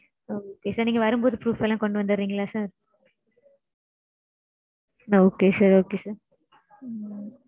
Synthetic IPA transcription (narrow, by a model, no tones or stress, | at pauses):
oːkeːsaːɾniːŋɡɐʋɐɾɯmpoːðɯpɾuːfɛlãːkɔɳɖɯʋɐnd̪ɯɾːiːŋɡɐɭaːsaːɾ | oːkeːsaːɾoːkeːsaːɾ